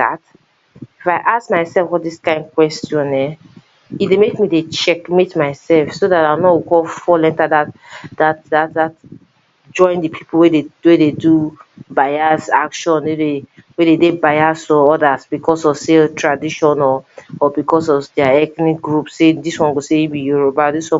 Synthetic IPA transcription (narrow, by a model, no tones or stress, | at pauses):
a̰t | ifaɪʔaskmaɪsɛlfwɔtdiskãɪ̃nd̚kwɛstjɔ̃nɛ | itdemekmidet͡ʃɛkmetmaɪsɛlfsoðataɪnɔwukɔlfɔlɛ̃ntaðatdat̚datðat̚ | d͡ʒɔ̃ɪ̃ndipʰipʰl̩wedewededubaɪasakʃɔ̃nwedewededebaɪasɔɔdasbikʰɔsɔvseltʰɹadiʃɔ̃nɔːbikɔsɔvdaɛknik̚ɡɹupsːediswɔ̃nɡoseibijuɹobadiswɔ̃